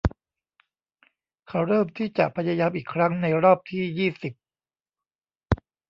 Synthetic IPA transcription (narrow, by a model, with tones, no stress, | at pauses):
kʰa˦˥wɾɤː˥˩mt̪ʰiː˥˩t͡ɕa˨˩ʔpʰa˧jaː˧jaː˧mʔiː˨˩kʰɾa˦˥ŋna˧jɾɔː˥˩p̚t̪ʰiː˥˩jiː˥˩si˨˩p̚